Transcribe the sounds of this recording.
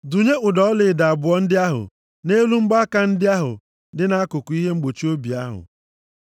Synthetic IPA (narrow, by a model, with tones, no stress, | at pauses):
du˨ɲe˦ʊ˨dɔ˨˦lɪ˨da˨a˨bʊ˨ɔ˦n̩˦dɪ˦a˦ɦʊ̰˨ | ne˦lu˦ŋ͡m̩˦ɡ͡ba˦ka˦n̩˦dɪ˦a˦ɦʊ̰˨ | dɪ˦na˦a˦kʊ˨kʊ˨˦i˦ɦe˦ŋ͡m̩˦ɡ͡bo˨t͡ʃi˦o˦bi˨a˦ɦʊ̰˨